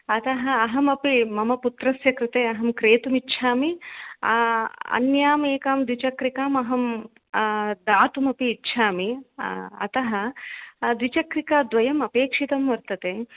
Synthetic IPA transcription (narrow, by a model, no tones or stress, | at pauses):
ɐt̪ɐɦɐ̆ɐɦɐmɐpimɐmɐput̪ɾɐsjɐkɾɪt̪eːɐɦɐmkɾeːt̪umitːʃʰaːmi | ɐ̰njaːmeːkaːmd̪ʋit͡ʃɐkɾikaːmɐɦɐm | d̪aːt̪umɐpiːtːʃʰaːmi | ɐ̰t̪ɐɦɐ̆d̪ʋit͡ʃɐkɾikaːd̪ʋɐjɐmɐpeːkʂit̪ɐmʋɐɾt̪ɐt̪eː